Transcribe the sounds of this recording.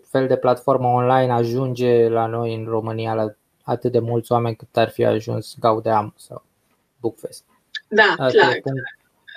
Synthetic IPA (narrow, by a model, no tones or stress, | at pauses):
fe̞ld̪e̞plat̪fo̞rməonlajnaʒund͡ʒe̞lano̞jɨnro̞mɨnijala | at̪ɨt̪̚d̪e̞mult̪sʲoame̞nʲkɨt̪arfia̰ʒṵnsʲɡaud̪eamsa̰w | bukfest̪ | d̪aaajepuŋ